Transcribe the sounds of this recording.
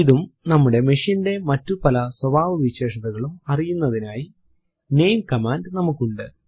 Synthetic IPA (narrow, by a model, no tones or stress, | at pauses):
iðumnɐmːuɽe̞meʂinde̞mɐtːupɐlɐswɐbʱaːʋɨʋiɕe̞ːʂɐðɐɣɐɭumɐrijunːɐðinaːji | ne̞jmkɐmaːndnɐmukːuɳɖɨ